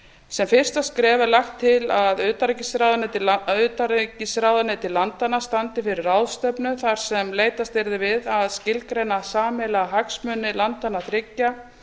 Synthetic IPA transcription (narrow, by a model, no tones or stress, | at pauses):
sɛmfɪr̥st̪askɾɛːvalaxt̪ʰːɪlaðʏːt̪aɾɛcɪsɾawðanɪt̪ɪʏt̪aɾcɪsɾaːwðanɪt̪ʰɪlːant̪anast̪ant̪ɪfɪɾɪrawðst̪œpnʏθaɾ̥sɛmleːjt̪ast̪ɪɾðɪvɪðaðscɪlkɾejnasaːmɛlaɦaksmʏnːɪlant̪anːaθɾɪcːa